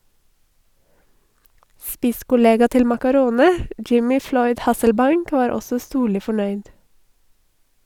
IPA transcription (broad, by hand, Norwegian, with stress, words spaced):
ˈspɪskʊˌleːɡɑ ˈtɪl mɑkɑˈɾoːnə ˈjɪmɪ ˈflɔʏd ˈhɑsəlˌbɑɪŋk ˈʋɑːɾ ˈɔsə ˈstuːɭɪ fɔˈɳœʏd